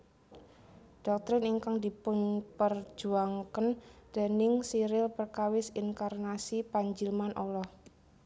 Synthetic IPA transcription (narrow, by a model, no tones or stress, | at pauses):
d̥ɔk̚t̪ɾɪniŋkaŋdipʊɲpərd͡ʒ̥uaŋkənd̥e̤nɪŋsiɾɪlpərkawɪsiŋkarnasipaɲd͡ʒilmanʔolɔh